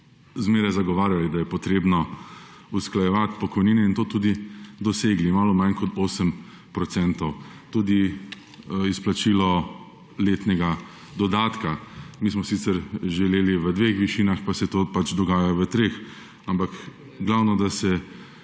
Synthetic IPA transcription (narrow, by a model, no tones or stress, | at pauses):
zmeːɾɛzaɡɔʋaːɾjalid̪ajɛpɔt̪ɾeːbnɔ | usklajɛʋat̪pɔkɔjniːnɛint̪oːt̪uːd̪id̪ɔseːɡlimaːlɔmankɔt̪ʰoːsəm | pɾɔt̪sɛnt̪ɔw | t̪uːd̪i | isplat͡ʃilɔ | leːt̪nɛɡa | d̪ɔd̪aːt̪kamiːsmɔsit̪sɛɾʒɛleːliʋəd̪ʋexʋiʃiːnaxpasɛt̪opat͡ʃd̪ɔɡaːjaʋət̪ɾeːx | ampak | ɡlawnɔd̪asɛ